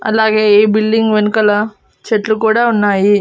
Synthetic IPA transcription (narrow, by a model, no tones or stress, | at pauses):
ɐ̰laɡebilɖiŋɡʋenkɐla | t͡ʃeʈlukuɽaunːaːji